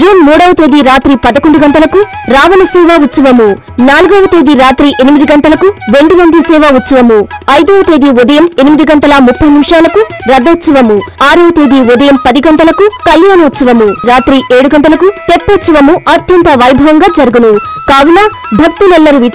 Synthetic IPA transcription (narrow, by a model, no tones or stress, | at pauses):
d͡ʒuːnmuːɽɐʋɐt̪eːd̪iɾaːt̪ɾipɐd̪ɐkoɳɖuɡɐɳʈ̪ɐlɐkuɾaːʋɐnɐsɛːʋaːut̪sɐʋɐmu | naːluɡɔʋɐt̪eːd̪iɾaːt̪ɾiʔenimid̪iɡɐɳʈɐlɐkuɾe̞ɳɖuʋɐnd̪isɛːʋaːut̪sɐʋɐmuɐjd̪ɐʋɐt̪eːd̪iud̪ɐjɐme̞nimid̪iɡɐɳʈ̪ɐlɐmupːɐjnimʂaːlɐkuɾɐd̪ːɐt̪sɐʋɐmuaːɾɐʋɐt̪eːd̪iʋud̪ɐjɐmpɐd̪iɡɐɳʈ̪ɐlɐkukɐljaːnɐut̪sɐʋɐmuɾaːt̪ɾiʔeːɽuɡɐɳʈɐlɐkut̪epːɐt̪sɐʋɐmuʔɐt̪jɐnt̪ɐʋɐjbʱɐʋɐŋɡaːd͡ʒɐɾuɡunu | kaːʋina | bʱɐk̚t̪ulɛlːɐɾuʋi